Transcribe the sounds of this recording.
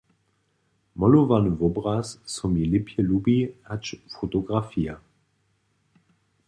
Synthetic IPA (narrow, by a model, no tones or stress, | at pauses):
mɔluvanvɔbʁasːɔmilɪpʰjəlubihat͡ʃfotoɡʁafia